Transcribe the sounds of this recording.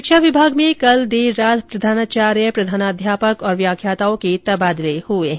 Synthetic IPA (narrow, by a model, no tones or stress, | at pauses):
kʃaʋɪbʱaːɡmẽkɐld̪eːɾaːt̪pɾɐd̪ʱaːnaːt͡ʃaːɾjəpɾɐd̪ʱaːnaːd̪ʱjaːpəkɔːɾʋjaːkʰjaːt̪aːõket̪ɐbaːd̪lehueɦɛ̃